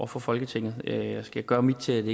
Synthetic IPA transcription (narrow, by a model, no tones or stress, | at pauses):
fɒ̽fɒ̽lɡ̥ət͡sʰe̝ŋ̰ð̩ˠøjɑɪsɡ̥æɡ̥ɶːɐmid̥t͡sʰe̝æd̥e